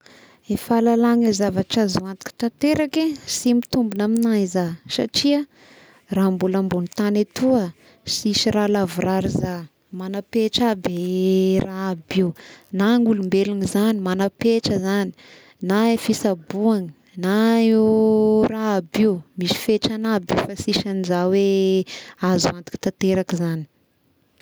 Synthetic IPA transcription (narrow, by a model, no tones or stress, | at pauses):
efalalaŋazavaʈ͡ʂazuant̪i̥ki̥t̪ant̪eɾakesimit̪umbunaminaizasa̰ʈ͡ʂia | rambulambunit̪anet̪uə | sisiɾalavuɾaɾiza | manapeʈ͡ʂaberʔaːbiunaŋulumbeliŋizanimanapeʈ͡ʂəzani̥ | naefisabuaŋi̥ | naewraːbiwmisi̥feʈ͡ʂanabifasiʃanizawe | azuand̪u̥ki̥t̪at̪eɾakizani̥